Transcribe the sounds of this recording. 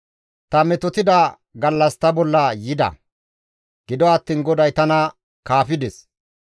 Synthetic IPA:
t̪ɐmɛt̪ɔt̪ɪd̪ɐ | ɡɐlːɐst̪ɐbɔlːɐjɪd̪ɐ̰ | ɡ̥ɪd̪ɔɐt̪ːiːnɡɔd̪ɐjt̪ɐnɐ | kaːfɪd̪ɛs

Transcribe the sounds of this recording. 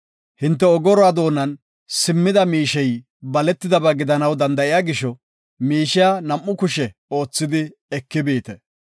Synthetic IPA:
hɪnt̪ːɛɔɡɔɾɔwaːd̪o̞ːnːɐn | sɪmːɪd̪ɐmiːʃɛj | bɐlɛt̪ːɪd̪ɐbɐɡɪd̪ɐnɐwd̪ɐnd̪ɐʔɪjaɡɪʃɔ | miːʃɪjanɐmʔːʊkʊʃɛo̞ːt͡sːɪd̪ɪ | ɛkːɪbiːt̪ɛ

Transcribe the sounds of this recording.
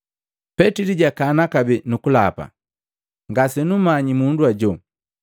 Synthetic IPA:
pɛtiliɟakanakabɛnukula̰pa̰ | ŋɡasɛnumaɲimunduaɟɔ

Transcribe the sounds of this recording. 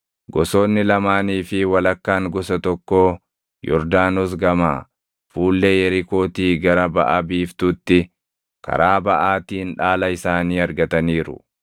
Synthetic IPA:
ɡɔso̞ːnːɪlɐmaːniːfɪwɐlɐkːaːŋɡɔsɐt̪ɔkːoː | jɔ̰ɾd̪aːnɔs̬ɡɐmaː | fuːlːejɛɾɪko̞ːt̪iːɡɐɾɐbɐʔɐbiːft̪ʊt̪ːɪ | kɐ̰ɾaːbɐʔaːt̪iːnᶑaːlɐɪsaːniːɐɾɡɐt̪ɐniːɾʊ̰

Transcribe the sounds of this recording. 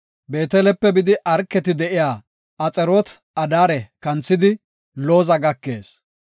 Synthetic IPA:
be̞ːt̪ɛlɛpːɛbɪd̪ɪʔɐɾkːɛt̪ɪd̪ɛʔɪjaː | ɐt͡sʼɛɾoːt̪ | ɐd̪aːɾɛkɐnt͡sːɪd̪ɪ | lo̞ːzɐɡɐkːe̞̰ːs

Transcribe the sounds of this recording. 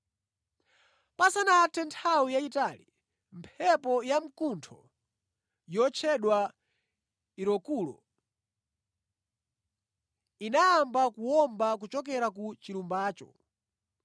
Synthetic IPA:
pasanatɛntʰawijaitalḭ | mpʰɛpɔjam̩kuntʰɔ̰ | jɔt͡ʃʰɛɗwa | iɾɔkuːlɔ̰ | inaːmbakuwɔmbak̬ut͡ʃɔkɛɾakut͡ʃiɾumbaːt͡ʃɔ̰

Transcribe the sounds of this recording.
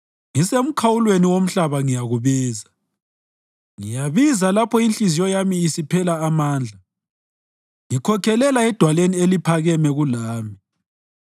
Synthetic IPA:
ŋisem̩kʰawulweniwom̩ɬaβaŋijaɣuβiːza | ŋijaβizalapʰɔint͡ɬizijɔjamiːsipʰɛlaːmaːnd͡ɮʱa | ŋikʰɔkʰɛlɛlaɛd̥ʱwalenielipʰaɣɛmɛɣulaːmi

